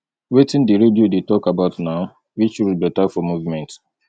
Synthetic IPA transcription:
wetĩndiɾediodetɔkabaʊtnaʊ | wit͡ʃɾudbɛtafɔmuvmɛ̃nt

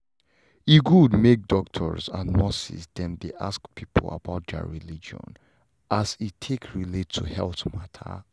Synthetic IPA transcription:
iɡudmek̚dɔk̚tʰɔɹzãnːɔsḭsdɛ̃md̪eʔa̰skpʰipʰə̰la̰baʊt̚də̰ɹilid͡ʒɔ̰̃n | ʔazitʰekɹiletʰːuhɛlˠθmatʰə̰

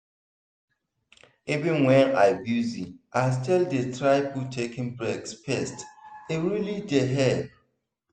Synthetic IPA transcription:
ivɪ̃nwɛ̃na̰ɪbjuziʔastʰɛldetɹaɪputʰekɪ̃nbɛkspʰɛsteɹilideɦɛb

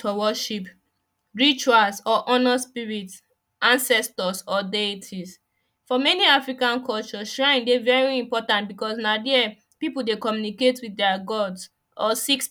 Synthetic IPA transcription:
ɔwɔʃip | ɹit͡ʃualsɔʔɔnaspiɹit | ãnsɛstɔsɔdetʰis | fɔmɛniafɹikãnkʰɔlt͡ʃɔʃɹãɪ̃ndevɛɹiĩmpɔtãntbikɔsnadɛ | pipudekɔmjuniketwiðdɛaɡɔds | ɔsiks

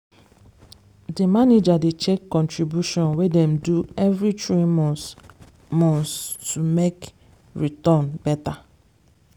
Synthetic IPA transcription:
demaned͡ʒadet͡ʃekːɔ̃ntɹibjuʃɔ̃nwedɛm̩duɛvɾitɾimɔ̃n | mɔ̃nstumek | ɹitɔnbɛta

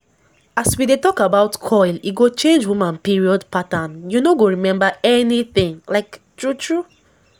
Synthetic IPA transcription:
aswidetɔkabaʊtkʰɔɪlḭɡot͡ʃẽnd͡ʒwimãnpiɹiɔdpatãnjunoɡoɹimɛ̃mbaɛniθɪ̃ŋlaɪktɹutɹu

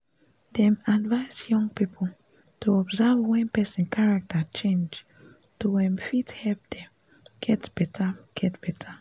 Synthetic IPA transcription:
dɛ̃madvaɪzjɔ̃ŋɡ̚pipʰo | tʰuɔbzavwɛ̃npɛsĩnkaɹak̚tʰat͡ʃẽnd͡ʒ | tuwɛ̃mfithɛlp̚d̥ɛ̃ | ɡ̥ɛtb̥ɛtʰaɡ̥ɛtb̥ɛtʰa

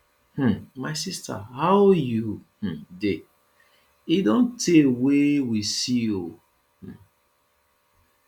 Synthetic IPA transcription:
h̩maɪsistʰa̰haʊjuh̩de | idõntʰewewisio | h̩

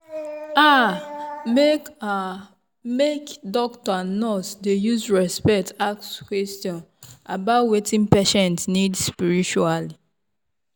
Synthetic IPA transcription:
a | meka | mekdɔktɔnɔsdejuzɹɛspɛk̚takskwestjɔ̃nabawetĩnpeʃɛ̃ntnidspiɹit͡ʃuali

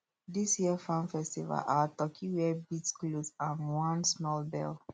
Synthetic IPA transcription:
disjiəfãnfɛstiva̰lʔatɔkʰiwɛbitsklozãnwɔ̃nsmɔlbɛ̰l

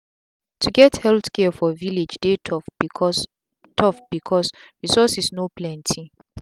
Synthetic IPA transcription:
tʰuɡɛthɛltkɛfɔviled͡ʒdeɔ | tʰɔfb̥ikʰɔsɹisɔsisnoplɛ̃ntʰi

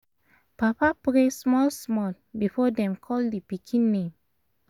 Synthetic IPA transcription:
papapɹesmɔlsmɔl | bifɔdɛ̃mkʰɔldipikʰĩnːẽm

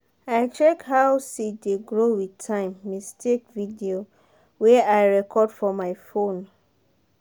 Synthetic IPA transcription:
aɪt͡ʃɛkhawsideɡɹowitʰãɪ̃mːistekvidio | wɛaɪɹɛkʰɔdfɔmaɪfõn

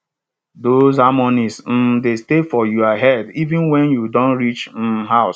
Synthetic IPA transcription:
dozamɔnisn̩destefɔjuaɦɛdivĩnwɛ̃njudɔ̃nɹit͡ʃn̩ɦaʊs

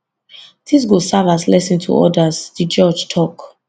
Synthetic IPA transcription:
d̥is̬ɡosavaslɛsĩntʰṵʔɔ̰dazd̥id͡ʒɔd͡ʒtʰɔk

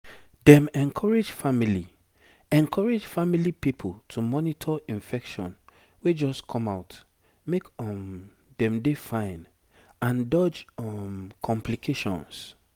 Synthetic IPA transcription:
dɛ̃mɛ̃nkʰɔɹed͡ʒfamili | ɛ̃nkʰɔɹed͡ʒfamilipipʰoltʰumɔnitʰɔĩnfɛkʃɔ̰̃n | wed͡ʒɔskʰɔ̃maʊt | mekɔm | dɛ̃mdefãɪ̃n | ãndɔd͡ʒɔmkʰɔ̃mplikʰeʃɔ̰̃ns

